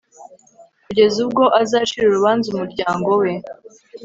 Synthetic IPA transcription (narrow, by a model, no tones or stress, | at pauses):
kuɟe̞zubɡo̞ʔazaːʃiɾuɾuβaːnzumuɾɟaːŋɡo̞we̞